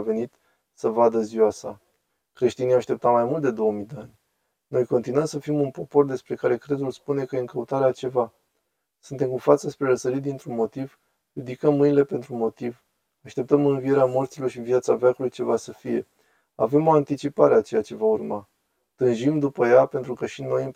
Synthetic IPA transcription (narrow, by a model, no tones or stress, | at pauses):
ve̞nit̪ | səvad̪əziwasa̰ | kɾe̞ʃt̪inijaaʃt̪e̞p̚t̪at̪majmult̪d̪e̞d̪o̞əmid̪eanʲ | no̞jko̞nt̪inwəmsəfimunpo̞po̞rd̪e̞spɾe̞kaɾe̞kɾe̞zulspune̞kəjeɨŋkəut̪aɾeat͡ʃe̞va | sunt̪e̞mkufat̪səspɾe̞ɾəsəɾit̪̚d̪int̪ɾunmo̞t̪iv | rid̪ikəmːɨnile̞pe̞nt̪ɾumo̞t̪iv | aʃt̪e̞p̚t̪əmɨnvie̞ɾeamort̪silo̞rʃivijat̪savʲakulujt͡ʃe̞vasəfije̞ | ave̞mo̞ant̪it͡ʃipaɾe̞at͡ʃe̞jat͡ʃe̞vaurma | t̪ɨnʒimd̪upəjape̞nt̪ɾukəʃino̞j